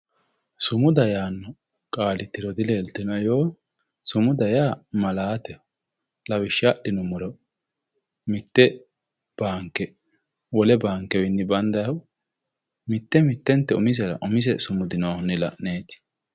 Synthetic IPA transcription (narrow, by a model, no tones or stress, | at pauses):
sʊmʊd̪ɐjaːnːɔ | kʼaːlɪt̪ːɪɾɔd̪ɪle̞ːlt̪ːɪnɐjoː | sʊmʊd̪ɐjaːmɐlaːt̪ɛ | lɐwɪʃːaɗɪnʊmʊɾɔ | mɪt̪ːɛ | b̥aːŋkːɛ | wɔlɛbaːŋkːɛwɪnːɪbɐnd̪ɐjɐw | mɪt̪ːɛmɪt̪ːɛnt̪ːɛʊmɪzɛɾɐ̰ʔʊmɪzɛsʊmʊd̪ɪnoːnːɪlɐ̰ʔneːt̪ɪ̥